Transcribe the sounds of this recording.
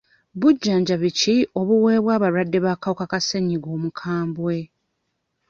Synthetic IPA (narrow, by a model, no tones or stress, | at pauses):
βuɟːaːɲɟaβicio̞βuwe̞ːβwaːβaɾwadːe̞βakawukakaseɲːiɡo̞ːmukʰaːmbwe̞